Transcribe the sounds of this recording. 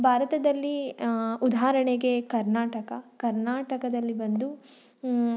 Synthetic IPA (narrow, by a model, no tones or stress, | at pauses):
bʱaːɾɐt̪ɐd̪ɐlːiud̪aːɾɐɳeɡe̞kɐɾnaːʈɐkɐkɐɾnaːʈɐkɐd̪ɐlːibɐnd̪u